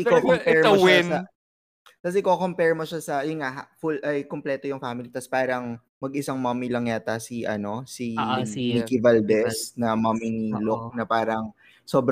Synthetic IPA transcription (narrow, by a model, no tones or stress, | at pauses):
ʔɪkokompɛɹmɐowɪnɐ | t̪ɐsʔɪkokompɛɹmoʃasɐjʊnŋaʔhfulʔɐjkomplɛːt̪o̞jʊŋfaːmɪlit̪ɐspaːɾɐŋ | mɐɡʔɪsɐŋmɐːmilɐŋjaːt̪ɐsiʔɐno̞simikɪvald̪ɛsnɐmaminɪlok̚nɐpaːɾɐŋ | so̞ːbɾ